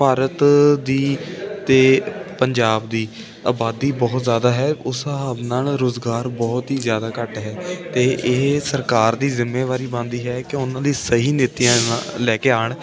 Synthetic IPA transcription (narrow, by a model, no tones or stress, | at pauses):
paːɾət̪d̪iːt̪eːpəɲd͡ʒaːbd̪iː | aːbaːd̪iːbɔːt̪zjaːd̪aːɦɛːʊsɦaːbnaːlɾoːzɡaːɾbɔːt̪ɦiːzjaːd̪aːkəʈɦɛːt̪eːʔsəɾkaːɾd̪iːzɪmːeːʋaːɾiːbãːnd̪iːɦɛːkɪʊnãːd̪iːsəɦiːnɪt̪ːiãːlɛːkeːaːɳ